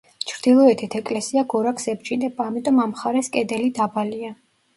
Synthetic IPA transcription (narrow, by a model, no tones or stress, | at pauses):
t͡ʃʰɾd̪̥ilˠɔɛt̪ʰit̪ʰɛkʼlɛsiaɡɔɾakʰsɛbd͡ʒid̪ɛbaːmit̪ʼɔmamχaɾɛskʼɛd̪ɛlid̪abalia